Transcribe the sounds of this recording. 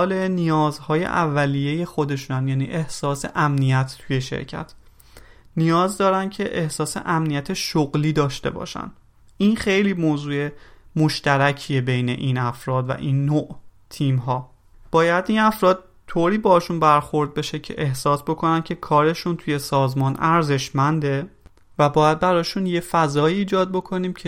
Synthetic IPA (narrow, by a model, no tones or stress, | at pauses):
lenijɒːzhɒːjḛʔævːælijeje̞xo̞d̪e̞ʃunæmjæːnḭːʔe̞hsɒːsḛʔæmnijæt̪ʰt̪ʰuje̞ʃḛɾcʰæ̰t̪ʰ | nijɒːzd̪ɒːɾænd̪̚cʰe̞ʔehsɒːse̞̰ʔæmnijæt̪ʰeʃoɣliːd̪ɒːʃt̪e̞̰bɒ̰ːʃæ̰nd̪ | inxe̞jliːmoːzuːe̞moʃt̪æɾæcʰiebe̞jne̞̰ʔiːnæfɾɒːd̪væ̰ʔinːoːʔt̪ʰiːmɦɒː | b̥ɒːjæd̪inæfɾɒːd̪̚ | t̪ʰoːɾiːbɒːʃunbæɾxo̞ɾd̪̚be̞ʃe̞cʰḛʔehsɒːsbo̞kʰo̞næn̚cʰe̞kʰɒːɾe̞ʃunt̪ʰuje̞sɒːzmɒːnʔæɾze̞ʃmænd̪e̞ | væbɒːjæd̪̚bæɾɒːʃunje̞fæzɒːiːd͡ʒɒːd̪̚bo̞kʰo̞niːmcʰe